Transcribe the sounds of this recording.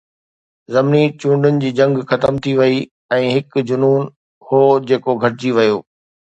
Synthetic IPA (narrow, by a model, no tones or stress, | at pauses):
zɐmnit͡ɕũːɳɖənɪ̆d͡ʑiːd͡ʑɐ̃ŋɡxɐt̪əmt̪ʰiʋɐi | ɛ̃ːɦɪkd͡ʑʊnuːn | hoːd͡ʑeːkoɡʱɐɾɪd͡ʑiʋɐjoː